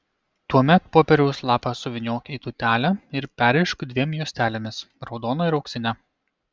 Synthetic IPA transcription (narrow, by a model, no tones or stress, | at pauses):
t̪uɔmʲɛt̪̚poːpʲɛɾʲɛʊslˠɑːpɐsʊʋʲɪnʲoːkʲiːt̪ʊt̪ʲæːlʲæɪɾpʲæːɾʲɛɪʃkʊd̪ʲʋʲiɛmʲjuɔsʲt̪ʲæːlʲemʲɪs | ɾɒʊd̪oːnɐɪɾɒʊksʲɪnʲɛ